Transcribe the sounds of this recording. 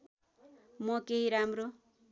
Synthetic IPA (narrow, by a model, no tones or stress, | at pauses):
mʌkeɦiɾamro